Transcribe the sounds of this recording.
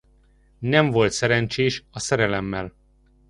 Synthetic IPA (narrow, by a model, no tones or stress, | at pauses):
nɛɱvo̞lt̪sɛɾɛnt͡ʃeːʃɒsɛɾɛlɛmːɛl